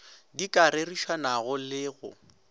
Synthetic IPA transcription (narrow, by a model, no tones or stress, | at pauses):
dikʼaɾeriʃwanaɣʊlɪɣʊ̰